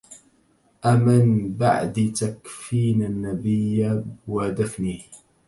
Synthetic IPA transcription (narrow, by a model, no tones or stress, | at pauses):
ʔamɪnba̰ʕd̪it̪akfiːnanːabɪjːawad̪afnih